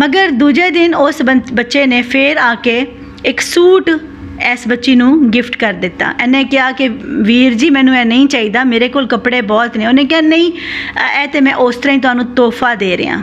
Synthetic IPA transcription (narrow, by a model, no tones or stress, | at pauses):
məɡəɾd̪uːd͡ʒeːd̪ɪnosbəbətːʃeːneːpʰɪɾaːkeː | ɪksuːʈ | ɛːsbətːʃiːnũːɡɪpʰʈkəɾd̪ɪt̪ːa̰ːʔɛːnẽːkɪjaːkɪʋiːɾd͡ʒiːmɛ̃ːnũːɛːnəĩːt͡ʃaːiːd̪aːmeːɾeːkoːlkəpɽeːbɔːlt̪nẽːonẽːkɪjaːnəĩːɛːt̪eːmɛ̃ːʔoːst̪əɾaːĩːt̪ʊɦaːnũːt̪oːpʰaːd̪eːɾə̰ːã̰ː